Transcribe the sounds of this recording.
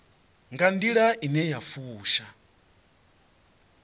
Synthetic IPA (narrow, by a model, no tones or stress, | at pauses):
ŋɡandiɺaʔinɛjafuːʃa